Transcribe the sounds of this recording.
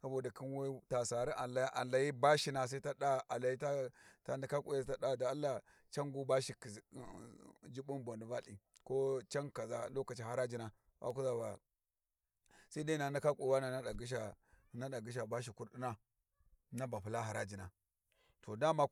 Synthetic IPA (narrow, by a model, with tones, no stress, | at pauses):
sa˦bo˦˨da˨kʰi˦nwe˦ta˨sa˨ɾi˦ʔa˨la˨˦ʔa˨la˨ji˦ba˦ʃi˦na˨s̬a˦i˦ta˦ɗa˦a˨la˨ji˦ta˦ta˦na˨˦ka˦kʷʼu˨ja˦˨ta˦ɗa˦˨da˨˦lːa˨ | t͡ʃa˦ŋɡu˦ba˦ʃi˨ki˨d͡ʒi˦bu˦nbo˨ndi˨va˦lḭ˨ko˦t͡ʃa˦ŋka˨za˨lo˦ka˨t͡ʃi˦ha˨ɾa˦d͡ʒi˦na˨ | wa̰˨ku˦za˦ba̰˨ | sa˦i˦da˦i˦na˨nda˦ka˦kʼu˨wa˦na˨na˦ɗa˨ɡi˦ʃ̬a˨ | na˦ɗa˨ɡi˦ʃ̬a˨ba˦ʃ̬i˨ku˦ɾɗi˦na˦ | na˦ba˨pu˨la˦ɦa˨ɾa˦d͡ʒi˨na˨ | to˨da˦ma˦